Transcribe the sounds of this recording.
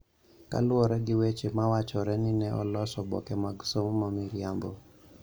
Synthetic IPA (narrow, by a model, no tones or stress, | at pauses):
ka̰lwɔɾɛɡɪwet͡ʃemawat͡ʃɔɾɛnɪnɛʔɔlɔsɔbɔ̰kɛmaɡsommamiɾjambɔ